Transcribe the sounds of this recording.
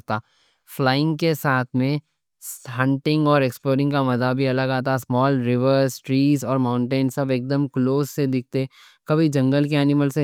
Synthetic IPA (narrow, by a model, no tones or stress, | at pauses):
t̪aː | flaːɪ̃ŋɡkesaːt̪ʰmẽ | ɦɐ̃ɳʈɪ̃ŋɡɔːɾeːksploːɾɪ̃ŋɡkamɐzabʱiɐləɡaːt̪̬asmɔːlɾɪʋəɾsʈɾiːzɔːɾmãːʊ̃ɳʈeːnsɐbeːk̚d̪əmkloːzsed̪ɪk̚ʰt̪e | kɐbʱid͡ʒɐ̃ŋɡəlkeɛːnɪməlse